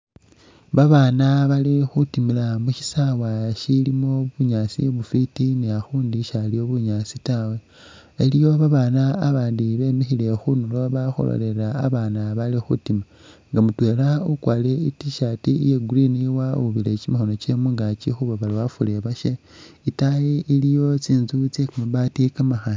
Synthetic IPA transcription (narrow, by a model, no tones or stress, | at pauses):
βaβaːnaβalixutimilamuʃi̥sawaʃilimo̞βuɲaːsḭjeβufitiniaxuːndiʃalio̞βuɲat͡sitawe̞ | elijo̞βaβaːnaːβaːndiβe̞mixile̞xunulo̞βaxo̰lo̰le̞ɾaːβaːnaβalixutima | ŋɡamutwe̞ːlaukwaːle̞itiʃatijeɡuɾiniwauβilet͡ʃimaxono̞t͡ʃemuŋɡat͡ʃixuβaβaliwafule̞βaʃe | itajeʔilijo̞t͡siːnzut͡sekamaβatikamaxa